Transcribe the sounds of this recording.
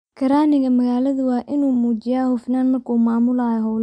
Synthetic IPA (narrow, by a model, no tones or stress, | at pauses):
kʰɐɾaːnɪɣɐmɐɣaːlɐðʊwɑːʔɪnuːmuːt͡ʃɪjaːhʊfnaːnmɐrkʰuːmaːmʊlaːjɔɦɔl